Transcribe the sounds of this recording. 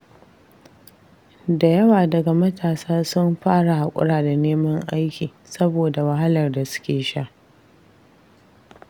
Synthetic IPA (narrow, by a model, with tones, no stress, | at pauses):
da˨jɐ˦waː˨dɐ˨ɡa˨mɐ˦tʰaː˨saː˦sʊ˦mɸaː˦ɽa˨ha˨kʷʼʊ̰˦ɽaː˨da˨neː˦mɐ˦ŋʔa˦jkʲiː˨ | sɐ˦boː˨da˨wa˨ɦa˦lɐ˨rda˨sʊ̥˦kʲeː˨ʃa˦ʔ